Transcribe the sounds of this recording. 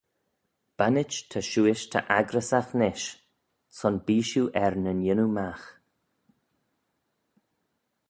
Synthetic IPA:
b̥anɪt͡ʃt̪ʰəʃuːɪʃt̪ʰə̰ʔaɡɾəsaxnɪʃ | sɔnbiːʃuʔɛɹnənjɪnumax

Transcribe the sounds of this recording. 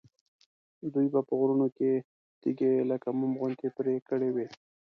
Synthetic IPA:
d̪ujbapəɣɾunoke | t̪iɡeləkamʊmɣʊnt̪epɾekəɽewe

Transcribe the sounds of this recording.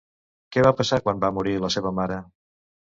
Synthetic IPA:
kɛβapəsakwambamuɾiləseβəmaɾə

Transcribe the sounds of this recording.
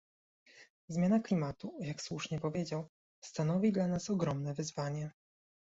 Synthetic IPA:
zmʲjanaklʲimat̪ujakswuʂɲɛpɔvʲjed͡ʑaw | st̪anɔvʲid̪lanasɔɡɾɔmnɛvɘzvaɲɛ

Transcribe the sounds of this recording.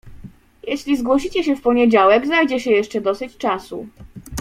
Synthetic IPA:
jɛɕlʲizɡwɔɕit͡ɕɛɕɛfpɔɲɛd͡ʑawɛɡzajd͡ʑɛɕɛjɛʂt͡ʂɛd̪ɔsɘt͡ɕt͡ʂasu

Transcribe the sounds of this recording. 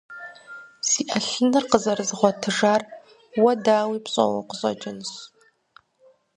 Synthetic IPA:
siːʔɐɬɨnɨrqəzɐrɨzɨχʷɔtʰɨʒaːr | wɐdaːwiːpɕʼɐ̰wɐ̰qəɕʼɐ̰d͡ʒʼɪnɕ

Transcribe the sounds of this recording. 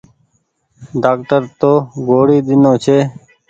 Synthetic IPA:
ɖaːk̚ʈəɾt̪oːɡoːɽiːd̪ɪnoːt͡ʃʰeː

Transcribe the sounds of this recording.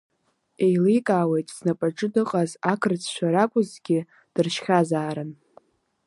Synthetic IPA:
e̞jlikʼaːwe̞jtʼz̥napʼaʈ͡ʂʼɨdɨqʼazakʰɨrt͡sʰʼʃʷᶣaɾakʷʼʊzɡʲɪ | d̥ɨrʃχʲazaːɾɨn

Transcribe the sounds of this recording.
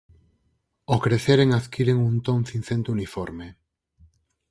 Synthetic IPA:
okɾeθeɾeŋaðkiɾeŋunt̪oŋθinθent̪unifoɾme

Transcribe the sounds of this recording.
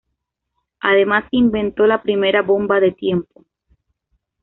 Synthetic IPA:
a̰ðe̞maseimbẽ̞nt̪o̞lapɾime̞ɾaβo̞mbaðe̞t̪je̞mpo

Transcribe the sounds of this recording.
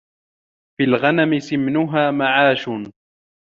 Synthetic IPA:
filɣanamɪsɪmnʊɦaːmaʕaːʃʊ

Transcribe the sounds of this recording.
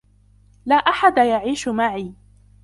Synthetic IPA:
laːʔaħad̪ajaʕiːʃʊmaʕiː

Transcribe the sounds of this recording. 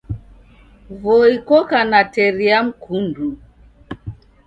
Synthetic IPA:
vɔikɔkanatɛɾiam̩kʰundu

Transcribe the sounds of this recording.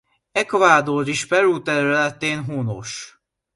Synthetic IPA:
ɛkovaːd̪oriʃpɛɾuːt̪ɛɾylɛt̪eːnɦuno̰ʃ

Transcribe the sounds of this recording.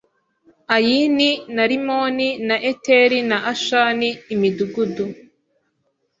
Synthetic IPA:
ajininaɾimoninaʔeteɾinaʔaʃaniːmiduɡudu

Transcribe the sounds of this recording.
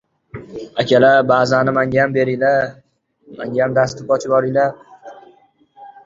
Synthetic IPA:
akʲʰalabaːzanɪmaŋʲajambe̞ɾɪjla | ma̰ŋɡʲaamd̪ast̪ɪpɒt͡ʃʰɪbɒɾɪjlaɾ

